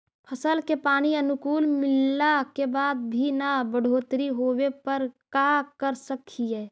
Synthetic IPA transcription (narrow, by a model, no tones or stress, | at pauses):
pʰɐsəlkepaːniɐnʊkuːlmɪlːakebaːd̪̚bʱinabəɽ̤ʱoːt̪ɾiɦoːwepɐɾkakəɾsəkʰiɦɛː